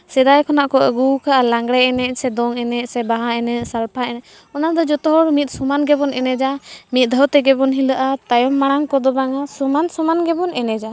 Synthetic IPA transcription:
sɛd̪ajkʰɔnaʔkɔʔəɡukaʔalaŋɡɽɛɛnɛʔsɛd̪ɔŋɛnɛʔsɛbaɦaɛnɛʔsalpʰaɛnɛ | ɔnad̪ɔd͡ʒɔt̪ɔɦɔɾmit̪̚sumanɡɛbɔnɛnɛd͡ʒamit̪̚d̪ʱəwt̪ɛɡɛbɔnɦilaʔat̪ajɔmːaɽ̃aŋkɔd̪ɔbaŋasumansɔmanɡɛbɔnɛnɛd͡ʒa

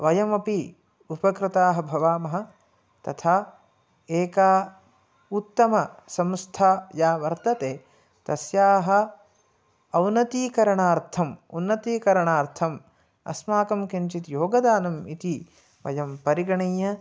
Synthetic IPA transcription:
ʋɐjɐmɐpi | upɐkɾɪt̪aːɦɐ̆bʱɐʋaːmɐɦɐ̆ | t̪ɐt̪ʰaː | eːkaː | ut̪ːɐmɐsɐmst̪ʰaːjaːʋɐɾt̪ɐt̪eː | t̪ɐsjaːɦɐ̆ | ɐwnɐt̪iːkɐɾɐɳaːɾt̪ʰɐmunːɐt̪iːkɐɾɐɳaːɾt̪ʰɐm | ɐ̰smaːkɐmkint͡ʃit̪joːɡɐd̪aːnɐmit̪i | ʋɐ̰jɐmpɐɾiɡɐɳɐːjɐ

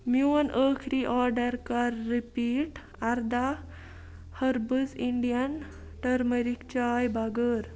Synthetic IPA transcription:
mjunəːkʰɾiʔɔɾɖəɾkaɾːipiːʈ | aɾd̪a | həɾbəziɳɖijən | ʈəɾməɾikt͡ɕajbaɡəɾ

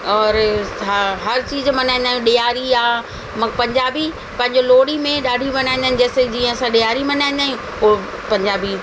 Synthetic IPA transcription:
ɔːɾ | ɦɐɾt͡ɕiːzmɐnaːɪ̃n̆d̪aːɦjũɗijaːɾiaː | mɐpɐ̃ɲd͡ʑaːbi | pɐ̃ɦɪ̃ɲd͡ʑoloːɽimẽɗaːɖʱimɐnaːɪ̃nd̪aːɪnɪ̆d͡ʑɛːsed͡ʑiːə̃ɐsãɗɪjaːɾimɐnaːĩn̆d̪aːɦjũ | ɦo | pɐ̃ɲd͡ʑaːbi

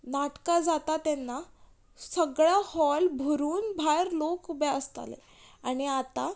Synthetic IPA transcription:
naʈkad͡zat̪at̪enːa | səɡɭahɔlbʱuɾuːnbʱajɾlokubɛəst̪a̰lḛ | aɽ̃iat̪a

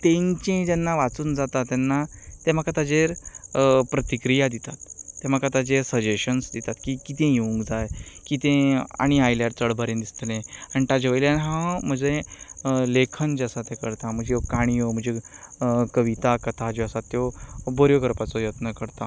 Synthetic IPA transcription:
t̪ẽɲt͡ɕẽt̪anːaʋat͡suːnd͡zat̪at̪ːjanːat̪em̤akat̪ad͡ʑeɾ | pɾət̪ikɾijad̪it̪at̪ːem̤akat̪ad͡ʑeɾsəd͡ʑeɕənsd̪it̪at̪kiːkit̪ẽjeũŋɡd͡zajkit̪ẽa̰ɽ̃iajlaʈt͡səɽbʱəɾẽnd̪ist̪lẽañit̪ad͡ʑʋəjljanɦãm̤əd͡ze | lekʰənd͡ʑəsat̪ẽkəɾt̪ãm̤əd͡ʑekaɽ̃iom̤ə̃ɳd͡ʑe | kəʋit̪akət̪ʰad͡ʑɔəsat̪ːjɔbʱɔɾjokəɾpat͡sɔjət̪nəkəɾt̪a

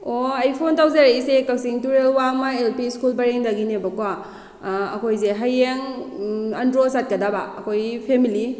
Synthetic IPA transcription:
oajpʰontawzaɾaisekawsiŋtuɾelwamaelpiskulbɐɾeŋdaɡinebɐkwa | ɐkʰojzeɦajeŋ | ɐndɾosat̚kɐdabaɐkʰojpʰemili

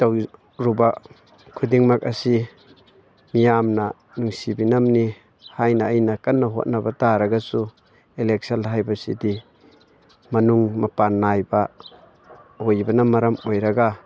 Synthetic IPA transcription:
taw | ɾuba | kʰudiŋmak̚ɐsi | mijamna | nuŋsibinamni | hajnaːjnakanːaɦo̰t̚nabataɾaɡasu | elek̚salɦajbasḭdi | mɐnuŋmɐpanːajba | ojbanamɐɾamojɾaɡa

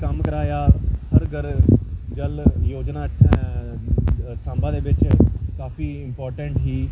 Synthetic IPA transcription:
kəmkəɾaːjaːhəɾɡəɾd͡ʒəljoːd͡ʒnãːɪt̪ʰːɛ̃ | sãːmbãːd̪eːʋɪt͡ʃkaːfʰiːɪmpɔːɾʈəɳʈɦiː

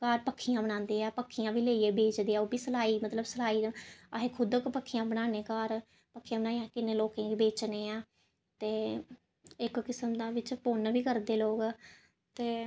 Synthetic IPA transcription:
kaːɾpəkʰːijãːbənãːnd̪eːɛːpəkʰːijãːʋiːleːieːbeːt͡ʃd̪eːɛːoːbiːsəlaːiːmət̪ləbsəlaːiːaɦeːkʰʊd̪okpəkʰːɪjãːbənaːneːkaːɾ | pəkʰːijãːbənaːiãːkɪnːeːloːkẽːɡiːbeːt͡ʃneːãː | t̪eː | ɪkkɪsəmd̪aːʋɪt͡ʃpoːnbiːkəɾd̪eːloːɡ | t̪eː

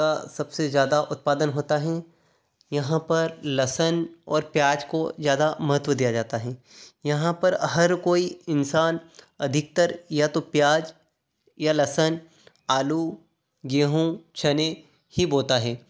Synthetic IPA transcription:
asɐbsezjaːd̪aʔʊt̪̚paːd̪ənɦoːt̪aɦɛ | jɐɦãpɐɾlɐsənɔ̰ːɾpjaːd͡ʒkozjaːd̪amɐɦət̪wəd̪ijad͡ʒaːt̪aɦɛ̃ːjɐɦãpɐɾɦɐɾkoːiɪnsaːn | ɐd̪ʱɪk̚t̪əɾjat̪opjaːd͡ʒ | jalɐsən | aːlu | ɡeːɦõt͡ʃʰɐne | hiboːlt̪aɦɛː

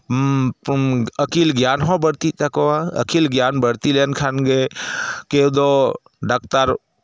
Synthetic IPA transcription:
əkiːlɡjaːnɦɔ̃bəɽt̪it̪ɐkoaə̰kiːlɡjaːnbəɽt̪ilenkʰanɡeked̪o | ɖakt̪aɾ

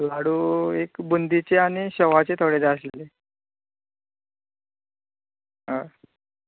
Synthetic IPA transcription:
laɽuekbund̪ʱit͡ɕeaɽ̃iɕəʋat͡set̪ʰoɽed͡zəslele | ɦəɾ

